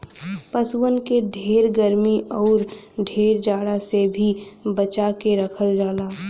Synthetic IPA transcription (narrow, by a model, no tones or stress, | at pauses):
pəsuwənkeɖʱeːɾɡəɾmiʔɔːɾɖʱeːɾd͡ʒaːɽasebʱibət͡ʃakeɾəkʰəld͡ʒaːlaː